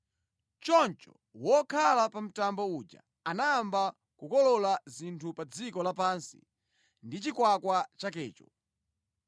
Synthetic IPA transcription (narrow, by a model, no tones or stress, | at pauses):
t͡ʃɔnt͡ʃɔ̰ | wɔkʰalapam̩tambɔud͡ʒa̰ | anaːmba | kukɔlɔlazintʰupad͡zikɔlapaːnsi̥̰ | ndit͡ʃikwakwat͡ʃakɛːt͡ʃɔ